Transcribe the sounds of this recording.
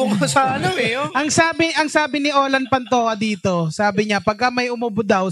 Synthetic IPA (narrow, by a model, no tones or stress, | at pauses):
ʊŋsɐɐnoɛʔɐŋsaːbɪʔɐŋsaːbɪnɪʔoːlɐnpɐnt̪oːhɐd̪iːt̪osaːbɪɲapɐɡ̚kamɐjʔʊmʊbʊd̪ɐw